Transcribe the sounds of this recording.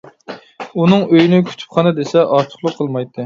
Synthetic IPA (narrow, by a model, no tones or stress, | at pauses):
unɨŋøjynɪkʲʰy̥t͡ʃ̪ʰy̥p̚χʰɑnɨd̪esɛʔɑɾt̪ʰʊ̥χlˠʊqʰːəlˠmɑjt̪ʰːɨ